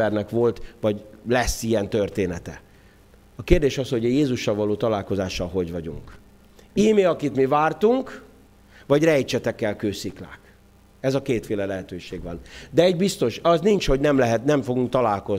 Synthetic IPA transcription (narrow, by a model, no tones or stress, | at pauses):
ɛrnɛkʋo̞lt̪vɒɟlɛsːiɛnt̪ørt̪eːnɛt̪ɛ | ɒkeːrd̪eːʃɒsho̞ɟjeːzuʃːɒlvɒloːt̪ɒlaːlko̞zaːʃɒlɦo̞ɟvɒɟṵŋk | iːmeɒkit̪mivaːrt̪uŋk | vɒɟrɛjt͡ʃɛt̪ɛkːɛlkøːsikla̰ːk | ɛzɒkeːt̪feːlɛlɛɦɛt̪øːʃeːɡʋɒnd̪ɛːɟbist̪o̞ʃɒznint͡ʃho̞ɟnɛmlɛɦɛt̪nɛɱfo̞ɡuŋk̚t̪ɒlaːlko̞z